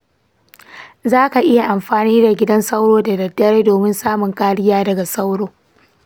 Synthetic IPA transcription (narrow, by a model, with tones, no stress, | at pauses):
zaː˦ka˨ʔɪ˦ja˨ʔa˨mɸaː˨niː˦da˨ɡʲɪ˦dɐ˦nsa˦wɽoː˦da˨dɐ˨dːɐ˦ɾeː˦doː˨mɪ˦nsaː˦mʊ˨ŋkaː˦ɽɪ˦jaː˦dɐ˨ɡa˨sa˦wɽoː˦